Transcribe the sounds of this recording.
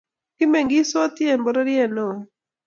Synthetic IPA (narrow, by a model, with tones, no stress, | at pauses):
kɪ˦me˨ŋɡi˦so˦t̪jɛ˦˨mbɔ˨˦ɾa˦ɾjɛ˦˨no˨